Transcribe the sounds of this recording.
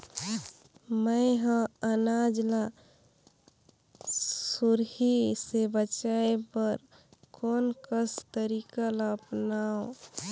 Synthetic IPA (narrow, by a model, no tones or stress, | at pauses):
məɦə̃ənad͡ʒla | suɾhisebət͡ʃaepəɾ | konkəst̪əɾikələpnaõ